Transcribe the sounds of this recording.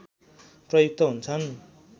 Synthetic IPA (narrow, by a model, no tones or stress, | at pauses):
prʌjuk̚t̪ʌɦunt͡sʰʌn